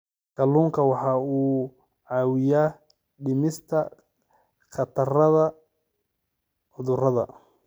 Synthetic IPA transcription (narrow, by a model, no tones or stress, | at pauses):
kɐluːŋkʰɐwɑħɑːuː | ʕɑːwɪjaː | ɖɪmɪst̪ʰɐ | qɑt̪ʰɐrɐðɐ | ʕʊðʊrɐðɐ̰